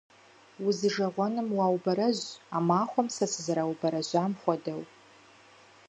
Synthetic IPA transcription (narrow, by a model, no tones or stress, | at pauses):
wʊzɨʐɐʁʷɔnɨmwaːwbɐɾɐʑamaːχʷɔmsɐsɨzaɾawbɐɾɐʑʷaːmχʷɔdɐw